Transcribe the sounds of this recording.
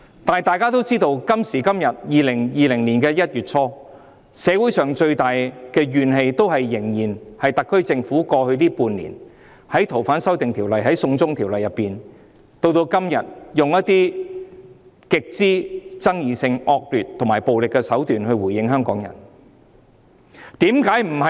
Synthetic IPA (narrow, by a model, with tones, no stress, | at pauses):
t̪aː˨˩jt̪aː˨˧jkaː˥t̪o˥wt͡siː˥t̪o˧wkɐ˥msiː˨˩kɐ˥mjɐ˨t̚jiː˨lɪ˨˩ŋjiː˨lɪ˨˩ŋliː˨˩nkɛː˧jɐ˥t̚jyː˨t̚t͡sʰɔː˥ | sɛː˨˧wu˨˥jsœː˨˩ŋt͡ʃɵ˧ɥt̪aː˨jkɛː˧ɥyː˨nɦe˧jt̪o˥whɐ˨jːɪ˨˩ŋjiː˨˩nhɐ˨jt̪ɐ˨kʰːɵ˥ɥt͡sɪ˧ŋfuː˨˥kɔː˧hɵ˧ɥliː˥puː˧nlḭː˨˩n | hɐ˨˥jt̪ʰo˨˩wfaː˨˥nsɐ˥wt̪ɪ˨ŋt̪ʰiː˨˩wlɐ˨jɦɐ˨˥jsʊ˧ŋt͡sʊ˥ŋt̪ʰiː˨˩wlɐ˨˩jɐ˨˩pːiː˨˩n | t̪o˧wt̪o˧wkɐ˥mjɐ̰˨t̚jʊ˨ŋjɐ˥t̚t̪iː˥ | kɪ˨k̚t͡siː˥t͡sɐ˥ŋjiː˨˩sɪ˧ŋɔː˧k̚lyː˨t̚t̪ʰŋmaː˨˩jpo˨wlɪ˨kːɛː˧sɐ˨˥wt̪yː˨nhɵ˧ɥwuː˨˩jɪ˧ŋɦœː˥ŋkɔː˨˥ŋjɐ̰˨˩n | t̪iː˨˥mkaː˨˥jm̩˨˩hɐ˨